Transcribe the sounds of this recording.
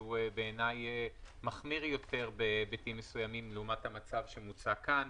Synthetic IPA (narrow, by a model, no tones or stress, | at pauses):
ubeːnajemaχmiʁjo̞te̞ʁbebitimːesujamimleumathamat͡savʃemut͡sakan